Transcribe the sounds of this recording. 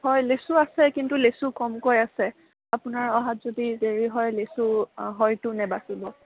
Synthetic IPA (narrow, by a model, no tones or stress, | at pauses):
hɔjlesuasɛkintulesukɔmkojasɛ | apʊnaɹɔɦatz̥odideɹiɦɔjlesuɦɔjtʊnɛbasibɔ